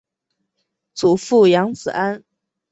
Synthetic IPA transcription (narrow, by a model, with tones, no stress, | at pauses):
t͡su˨˩fu˥˩jɑ˧˥ŋt͡sɹ̩˨˩a˥n